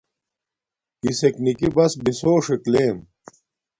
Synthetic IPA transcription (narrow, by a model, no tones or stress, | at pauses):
iseknikibɐsbisoːʂekleːm